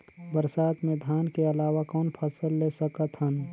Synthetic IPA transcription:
bəɾsaːt̪mẽd̪ʱjaːnkeɐlaːwakɔːnpʰəsəlːesəkət̪ɦən

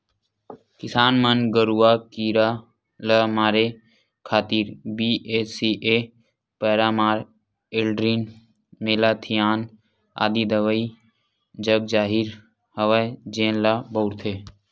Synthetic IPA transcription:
kɪsaːnmənɡəɾuːaːkiːɾa | lamaːɾe | kʰaːt̪iːɾbieːsiʔe | pəːɾaːmaːɾ | elɖɾin | meːlaːt̪ʰijaːn | a̰ːd̪id̪əʋəi | d͡ʒəb̚d͡ʒaːɦiɾ | həʋəd͡ʒẽːnlabəʊɾt̪ʰeː

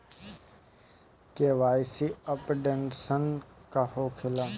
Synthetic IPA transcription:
keʋaːjsiəpɖensənkahokʰɪlaː

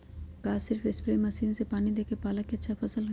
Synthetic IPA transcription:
kaːsɪɾfɪspɾeːmɐsiːnsepaːnid̪eːkepaːləkːeətːʃʰapʰɐsəlɦ

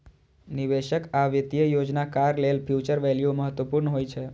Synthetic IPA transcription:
niʋeʃəkaʋjət̪jəjod͡ʒnakaɾlelpʰjut͡ʃəɾʋɛljuməɦət̪ʋəpuɾnɦojt͡ʃʰe

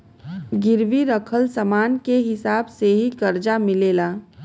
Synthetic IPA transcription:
ɡɪɾʋiɾəkʰəlsəmaːnkeɦɪsaːbseɦikɐɾd͡ʒamɪleːlaː

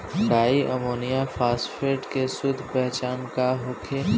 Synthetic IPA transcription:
ɾaːiʔɐmoːnijapʰaːsfeːʈkesʊd̪ʱpɛɦt͡ʃaːnkaɦʊkʰe

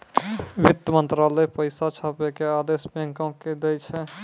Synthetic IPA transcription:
ʋit̪ːəmə̃nt̪ɾalɛpəɪsat͡ʃʰapekead̪esb̃ŋkə̃ked̪ɛt͡ʃʰɛ

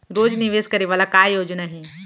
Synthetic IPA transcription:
ɾoːd͡ʒnɪʋeːskɐɾeʋaːlakaːjoːd͡ʒnaɦĩː

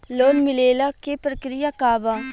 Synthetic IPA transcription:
loːnmɪleːlakepɾəkɾijakaːʋa

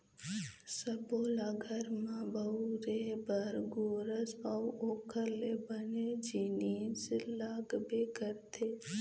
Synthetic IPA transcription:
səboːlaːɡʱəɾmãbəuɾebəɾɡoːɾəsɔwoːkʰəɾlebəned͡ʒiniːselaːɡbeːkəɾt̪ʰeː

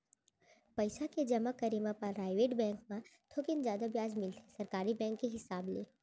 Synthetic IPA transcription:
pɐɪsaked͡ʒɐmakɐɾimãpɐɾɾaːɪʋeːʈbɛ̃ːŋk̚mãt̪ʰoːkɪnzjaːd̪abjaːzmɪlt̪ʰesɐɾkaːɾibɛ̃ːŋkːeɦɪsaːblḛː

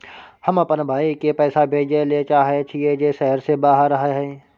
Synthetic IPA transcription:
həməpənbʱaːikepɛːsabʱeːd͡ʒelet͡ʃaːɦet͡ʃʰied͡ʒeʃɛɦəɾsebaːɦəɾəɦaɦɛː

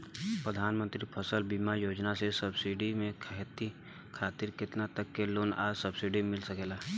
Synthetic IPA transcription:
pɾəd̪ʱaːnmə̃nt̪ɾipʰɐsəlbiːmajoːd͡ʒnasesɐbsiɖimẽkʰɦt̪i | kʰaːt̪ɪɾkɪt̪nat̪əkːeloːna̰ːsɐbsiɖimɪlsɐkeːlaː

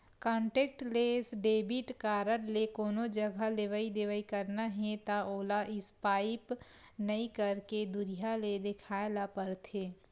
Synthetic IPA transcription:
kɔ̃ːɳʈeːk̚ʈleːsɖeːbɪʈkaːɾəɽlekoːnod͡ʒəɡʱaleʋaid̪eʋaːikɐɾnaɦẽt̪aoːlaʔɪspaːɪpnɐĩkəɾked̪ʊɾijaled̪ɪkʰaːlapəɾt̪ʰeː

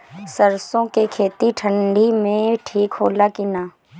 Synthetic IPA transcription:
səɾsõkekʰeːt̪iʈʰə̃ɳɖʱimẽʈʰiːkɦoːlakinaː

